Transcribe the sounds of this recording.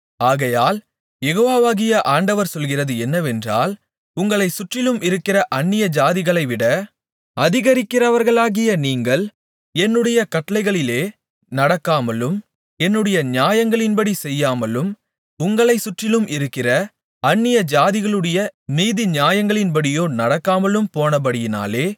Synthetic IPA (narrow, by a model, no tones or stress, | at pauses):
aːɣɐjaːl | jɛɣoːʋaːʋaːɣɪjɐʔaːɳɖɐʋɐɾsɔlɣɪrɐðɯɛnːɐʋɛndra̰ːl | ʊŋɡɐɭɐɪsʊʈrɪlɯmʔɪɾɯkːɪrɐʔɐɳːɪjɐd͡ʒaːðɪɣɐɭɐɪʋɪɽɐ | ɐðɪɣɐɾɪkːɪrɐʋɐɾɣɐɭaːɣɪjɐniːŋɡɐɭ | ɛnːɯɽɐjɐkɐʈːɐlɐɪɣɐɭɪleː | nɐɽɐkːaːmɐlɯm | ɛnːɯɽɐjɐɲaːjɐŋɡɐɭɪnbɐɽisɛjːaːmɐlɯm | ʊŋɡɐɭɐɪsʊʈrɪlɯmʔɪɾɯkːɪrɐ | ɐnːɪjɐd͡ʒaːðɪɣɐɭɯɽɐjɐniːðiɲjaːjɐŋɡɐɭɪnbɐɽɪjoːnɐɽɐkːaːmɐlɯmpoːnɐbɐɽɪjɪna̰ːleː